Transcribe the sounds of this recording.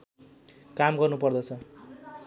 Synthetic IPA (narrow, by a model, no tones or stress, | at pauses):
kamɡʌrnupʌrd̪ʌt͡sʰʌ